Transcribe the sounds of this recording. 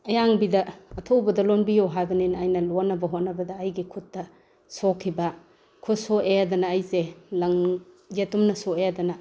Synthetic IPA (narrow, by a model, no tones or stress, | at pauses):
ɐjaŋbidɐɐtʰowbɐdɐlonbijowɦajbɐninajnɐlonɐbɐɦot̚nɐbɐdɐːjɡikʰutːɐ | sokʰːibɐ | kʰutsoejadɐnɐːjzelɐŋ | d͡ʒetumnɐsoejadɐnɐ